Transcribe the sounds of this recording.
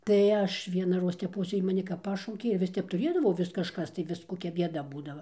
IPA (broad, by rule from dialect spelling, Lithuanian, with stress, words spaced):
tɐɪ ˈɐʃ ʋʲiɛnɐˈroːs tʲɛˈpoːs ˈjiː mɐˈnʲɪ kɐp ˈpɑːʃɐʊkʲeː ɪr ˈʋʲɪs ˈtʲɛp tʊˈrʲeːdɐʋɐʊ ˈʋʲɪs kɐʃˈkɐs tɐɪ ˈʋʲɪs koːˈkʲɛ ˈbʲiɛdɐ ˈbuːdɐʋɐ